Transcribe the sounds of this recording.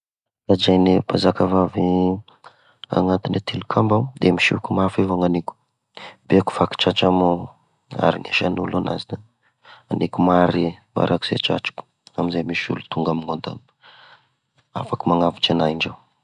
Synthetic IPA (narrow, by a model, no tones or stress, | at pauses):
t̪azajnepazakavavi | a̰ŋant̪inet̪ʰilukʰambad̪emiʃikumafivaŋanikʲu̥ | beku̥faki̥t͡ʃat͡ʃamo | a̰ɾineʃanulona̰zinə | a̰nikumaɾima̰ɾʔaku̥z̥ḛt͡ʃa̰t͡ʃu̥ku̥ | amizemiʃṵlut̪uŋɡamiŋod̪a̰m | a̰fakəmaŋavit͡ʃanaiɳd͡ʒaw